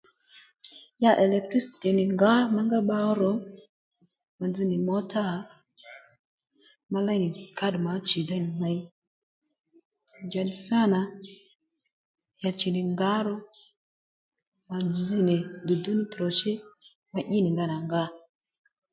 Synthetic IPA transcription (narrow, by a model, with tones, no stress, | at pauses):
ja˦˨ʔɛ˨lɛ˨k̚tɾi˦si̥˨ti˨nɪ˨ŋɡa˦ma˦ŋɡa˦ɓa˦ɾɔ˨˦ | ma˨d͡zi˦nɪ˨mɔ˦ta˦ | ma˦la˦nɪ˨ka˦dma˨˦t͡ʃi˨da˦nɪ˨na˦j | d͡ʒa˨di˨sa˦˨na˨ | ja˨t͡ʃi˨nɪ˨ŋɡa˦ɾɔ˦ | ma˨d͡zd͡zi˦nɪ˨du˨du˦ni˦tɾɔ˨ʃɪ˦ | ma˦ʔi˦nɪ˨ŋɡa˦na˨ŋɡa˦